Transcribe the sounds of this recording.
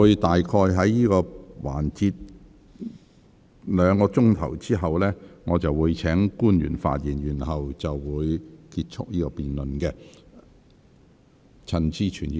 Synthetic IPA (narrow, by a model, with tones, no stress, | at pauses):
uː˨˧jt̪aː˨jkʰɔː˧jɦɐ˨˥jjiː˥kɔː˧waː˨˩nt͡siː˧t̚ | lœː˨˧ŋkɔː˧t͡ʃʊ˥ŋt̪ʰɐ̰˨˩wt͡siː˥ɦɐ˨wlɛː˥ŋɔː˨˧t͡sɐ˨wːuː˨˧jt͡sʰɛː˨˥ŋkuː˥njy̰ː˨˩nfa̰ː˧t̚jiː˨˩nɥyː˨˩nhɐ˨wt͡sɐ˨wːuː˨˧jkiː˧t̚t͡sʰʊ˥k̚jiː˥kɔː˧piː˨nlɵ˨nkɛ˧ | t͡sʰɐ˧nt͡siː˥t͡ʃʰy̰ː˨˩nː˧